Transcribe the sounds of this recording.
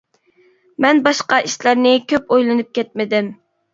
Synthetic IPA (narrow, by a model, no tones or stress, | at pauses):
mɛnbɑʃqɑʔiʃlæɾnɪkʲʰøpojlˠɨnɨp̚kʲʰɛt̪̚mɪd̪ɪm